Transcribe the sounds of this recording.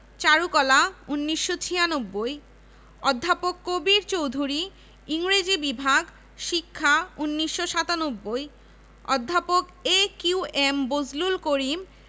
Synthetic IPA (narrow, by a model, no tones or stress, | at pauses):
t͡ɕaɾukɔlaunːiʃːot͡ɕʰianobːoj | ɔd̪ʱːapokːobiɾt͡ɕowd̪ʱuɾi | iŋɾed͡ʑibibʱaɡ | ʃikʰːaunːiʃːoʃat̪anobːoj | ɔd̪ʱːapokekuembod͡ʑlulkoɾim